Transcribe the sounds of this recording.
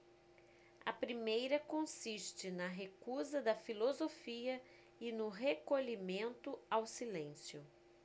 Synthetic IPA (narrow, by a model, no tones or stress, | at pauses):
ɐpɾimejɾɐkõsiʃt͡ʃɪnɐɦekuzɐd̪ɐfilozofiɐ | ɪnʊɦekoʎimẽnt̪ʊawsilẽsjʊ